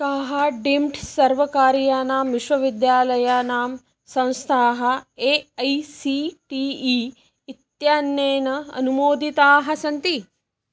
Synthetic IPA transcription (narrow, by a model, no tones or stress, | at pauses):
kaːɦɐɖimʈsɐɾʋɐkaːɾjaːnaːmʋiʃʋɐʋid̪jaːlɐjaːnaːm | sɐ̃w̃st̪ʰaːɦɐ̆eːɐjsiʈiiː | it̪jaːnjeːnɐɐ̰numoːd̪ʱit̪aːɦɐ̆sɐnt̪i